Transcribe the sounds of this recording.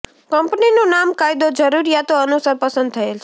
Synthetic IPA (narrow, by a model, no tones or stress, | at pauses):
kʌmpninonamkajd̪od͡ʒʌɾuɾijat̪oʌnusaɾpʌsə̃nd̪̚t̪ʰʌelt͡ʃʰ